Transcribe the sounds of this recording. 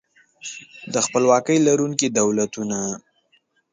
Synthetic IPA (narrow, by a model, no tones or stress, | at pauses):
d̪əxpəlwɑkəjlaɾuŋkid̪awlat̪una